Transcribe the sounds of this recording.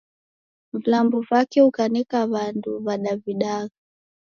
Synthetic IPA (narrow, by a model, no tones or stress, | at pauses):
ɱlambuvakɛukanɛkaβanduβaɗaviɗaɣa